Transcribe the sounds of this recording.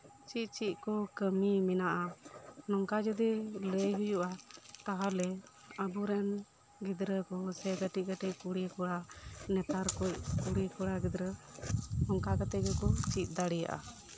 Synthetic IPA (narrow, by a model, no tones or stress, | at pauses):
t͡ʃit̪̚t͡ʃit̪̚ˀkɔkəmimɛnaʔanɔŋkad͡ʒud̪iləjɦujuʔat̪aɦalɛ | əbuɾɛn | ɡid̪ɾəkɔsɛɡəʈiɡəʈickuɽikɔɽanɛt̪aɾkuc̚kuɽikɔɽaɡid̪ɾə | nɔŋkakat̪ɛkɔkɔt͡ʃit̪̚ˀd̪aɽija̰ʔa̰